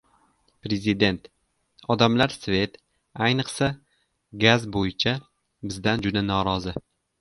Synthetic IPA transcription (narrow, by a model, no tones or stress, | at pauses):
pɾe̞zɪd̪e̞nt̪ | ɒd̪amlaɾsve̞t̪ | ajnɨqsa | ɡazbojɪt͡ʃʰa | bɪzd̪and͡ʒʊd̪anɒɾɒzɪ